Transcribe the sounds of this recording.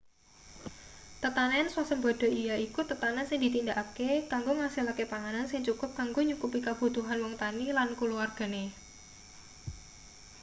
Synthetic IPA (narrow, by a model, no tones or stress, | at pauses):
t̪ət̪ananswasəmbɔd̥ɔ̤ijaikut̪ət̪anansɪŋd̪i̤t̪indaʔakekaŋɡoŋasilakepaŋanansɪŋt͡ʃukʊp̚kaŋɡoɲukupikab̥ut̪uɦanwɔŋt̪anilankuluarɡ̥a̤ne